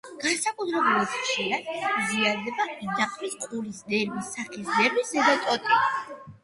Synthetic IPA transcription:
ɡ̥ansakʼut̪ʰɾɛbɛlit̪χʃiɾad̪̥iziaɾd̪ɛbad̪aqʼʰmisqʼulisd̪ɛɾmisaʔɛsd̪ɛɾbisɛzɔt̪ʼɔt̪ʼi

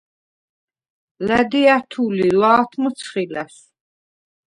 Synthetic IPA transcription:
læd̪iat̪ʰulilaːt̪ʰmɔt̪sʰχilæs

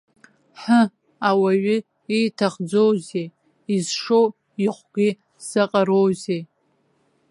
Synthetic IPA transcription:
ħə | awaɥʏ | ijtʰaχd͡zowze | izʂow | iχʷɡʲi | saqʼaɾowze

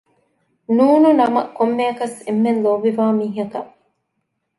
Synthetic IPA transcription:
nuːnunɐmɐkːomːeɐkɐsemːenloʋːiʋaːmiːɦɐkɐ

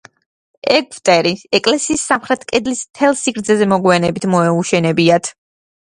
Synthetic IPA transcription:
ɛkft̪ʼɛɾiɛkʼlɛsiːsːamχɾɛt̪ʰkʼɛd̪lismt̪ʰɛlˠsiɡɾd̪zʰɛzɛmɔɡwanɛbit̪ʰmɔɛuʃɛnɛbiat̪ʰ

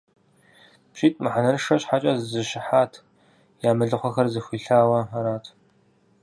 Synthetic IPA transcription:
pɕiːtʼmɨħanɐnʂɐɕħat͡ʃʼɐzzɨɕɪħaːtʰ | jaːmɨɮɨχʷɐxɐrzɨxʷiːɬaːwɐaɾaːtʰ

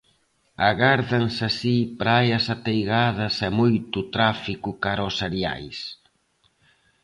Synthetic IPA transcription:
aɣaɾðansasipɾajɐsat̪ejɣað̞ɐsɛmojt̪ut̪ɾafikʊkaɾɔseɾja̰js

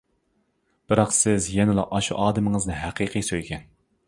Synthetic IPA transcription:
b̥ɨɾɑqsɪzjɛnɪlˠɑ̰ʔɑʃuʔɑːd̪ɨmɨŋɨznɨɦæqʰiːqʰijsøjkʲʰɛn

